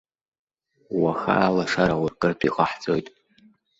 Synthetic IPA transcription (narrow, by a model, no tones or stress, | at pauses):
waxa̰ːlaʂaɾawarkʼɨrtʰʷʼḭqʼaħt͡sʼojtʼ